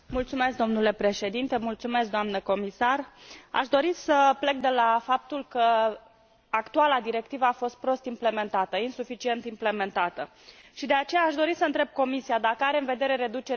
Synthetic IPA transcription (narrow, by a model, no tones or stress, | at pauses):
mult̪sume̞skd̪o̞mnule̞pɾe̞ʃe̞d̪int̪e̞mult̪sume̞sk̚d̪oamnəko̞misara̰ʃd̪o̞ɾisəple̞k̚d̪e̞lafap̚t̪ulkə | akt̪ualad̪iɾe̞kt̪ivəafo̞st̪̚pɾo̞st̪imple̞me̞nt̪at̪əinsufit͡ʃie̞nt̪imple̞me̞nt̪at̪ə | ʃid̪e̞at͡ʃe̞jaːʃd̪o̞ɾisəɨnt̪ɾe̞b̚ko̞misiad̪akəaɾeɨnve̞d̪e̞ɾe̞ɾe̞d̪ut͡ʃe̞ɾ